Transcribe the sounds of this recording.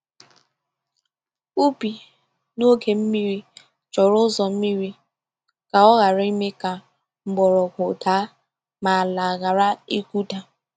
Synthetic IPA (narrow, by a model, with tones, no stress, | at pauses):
u˦bi˨ | no˦ɡe˨m̩˦mi˦ɾi˦ | t͡ʃɔ˨ɾʊ˦zɔ˨m̩˦mi˦ɾi˦ | ka˨ɔ˦ɣa˨ɾi˦me˦ka˨ | m̩˨ɡ͡bɔ˨ɾɔ˨kʷʊ˨ta˦ | ma˨a˨la˨ɣa˨ɾa˦i˦ku˦da˨